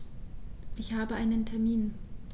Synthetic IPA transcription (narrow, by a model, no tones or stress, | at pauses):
ʔɪçhaːbəʔaɪnəntʰɛɐmiːn